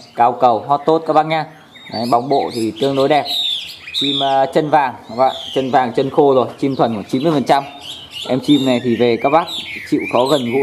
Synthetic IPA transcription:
kaː˨˦wkə˨˩wɦɔ˦˥t̚t̪o˦˥t̚kaː˨˦˥ɓa˧˥n̚ɲaː˧ | a˨˦ɓa˨˦wŋ͡mɓo̰˧˨t̪ʰi˨˩t̪ɨ˧əŋɗo˨˦jɗɛ˨˩p̚t͡ɕi˧mː˨˩t͡ɕə˧nvaː˨˩ŋ˧ɓa̰˧˨t͡ɕə˧nvaː˨˩ŋt͡ɕə˧nxo˧zo˨˩jt͡ɕi˧mt̪ʰwə˨˩nku˧˩ət͡ɕi˨˦mɨ˧əjfə˨˩nt͡ɕa˧m | ʔɛ˧mt͡ɕi˧mna˨˩jt̪ʰi˨˩ve˨˩kaː˦˥k̚ɓa˦˥k̚t͡ɕḭ˧˨wxɔ˨˦ɣə˨˩nɣṵ˧˥

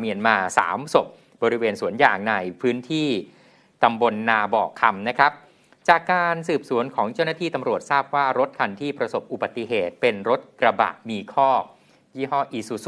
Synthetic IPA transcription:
mi˧ənmaː˧sa̰ː˩˦mso˨˩p̚ | bɔː˧ɾi˦˥weː˧nsu˩˦ənjaː˨˩ŋna˧jpʰɯː˦˥nt̪ʰiː˥˩ | t̪a˧mbo˧nːaː˧bɔː˨˩kʰːa˧mna˦˥kʰɾa˦˥p̚ | t͡ɕaː˨˩kːaː˧nsɯː˨˩p̚su˨˩˦ənkʰɔː˩˦ŋt͡ɕa˥˩wnaː˥t̪ʰiː˥˩t̪a˧mɾu˨˩ət̪̚saː˥˩p̚waː˥˩ɾo˦˥t̪̚kʰa˧nt̪ʰiː˥˩pɾa˧so˨˩p̚ʔu˨ba˨˩t̪ːi˧ɦeː˨˩t̪̚pe˧nɾo˦˥t̪̚kɾa˧ba̰˨˩ʔmiː˧kʰɔː˥˩ | jiː˥˩ɦɔː˥˩ʔiː˧˩su˧˩s

